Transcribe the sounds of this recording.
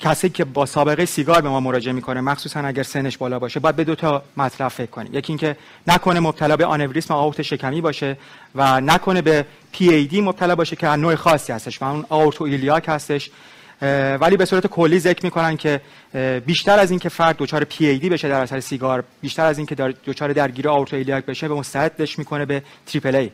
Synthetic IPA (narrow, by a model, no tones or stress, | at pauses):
cʰæsiicʲʰe̞bɒːsɒːbe̞ɣejesiːɡɒːɾbe̞mɒːmoɾɒːd͡ʒe̞emikʰo̞nemæxsuːsænæɟæɾsene̞ʃbɒːlɒːbɒːʃebɒːjæd̪̚be̞d̪ot̪ʰɒmæt̪ʰlæb̥fe̞kʰkːo̞nḭmje̞cʰʲiːŋkcʰe̞ | nækʰo̞ne̞mob̚t̪ʰælɒːbe̞ʔɒ̰ne̞vɾismæɒoɾt̪ʰeʃe̞cʰæmiːbɒːʃe̞ | vænækʰo̞ne̞be̞ | pʰiːejd̪iːmob̚t̪ʰælɒːbɒːʃe̞cʰeænoːexɒːsːiːhæst̪e̞ʃvæunɒoɾt̪ʰoiliɒːcʰhæst̪e̞ʃ | væliːbe̞suːɾæt̪e̞kʰo̞lːiːze̞cʰɾmiːkʰo̞næncʰe̞ | biːʃt̪ʰæɾæziːncʰe̞fæɾd̪̚ːot͡ʃʰɒːɾepʰiejd̪iːbe̞ʃe̞d̪æɾæsæɾesiɡɒːɾb̥iːʃt̪æɾæziːncʰe̞d̪d̪ot͡ʃʰɒːɾed̪æɾɟiːɾeɒoɾt̪ʰoiliɒːc̚be̞ʃemost̪æɦed̪ːeʃmiːkʰo̞ne̞be̞t̪ʰɾiːpʰelej